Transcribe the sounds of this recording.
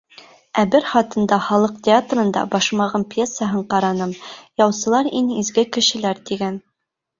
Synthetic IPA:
æbɘɾχɑt̪ɤ̆nd̪ɑχɒlˠɤqt̪ʲɪat̪rɤ̆nd̪ɑ̰bɒʃmɑʁɤmpjesːəɦɤɴqɑɾɑnɤmjɒwsɤ̆lˠɑɾinizɡɘkɘ̆ʃɘ̆læɾt̪iɡæn

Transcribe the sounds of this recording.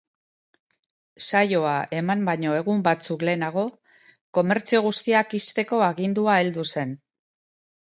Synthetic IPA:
sajo̞aʔe̞mambaɲo̞e̞ɣ̞umbat͡sukle̞ːnaɣ̞o̞ | ko̞me̞ɾt͡sio̞ɣ̞ust̪iakist̪e̞ko̞aɣind̪uae̞ld̪use̞n

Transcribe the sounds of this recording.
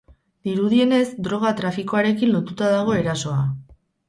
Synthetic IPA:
d̪iɾuðie̞ne̞zd̪ɾo̞ɣ̞at̪ɾafiko̞aɾe̞kinlo̞t̪ut̪aðaɣ̞o̞e̞ɾaso̞a

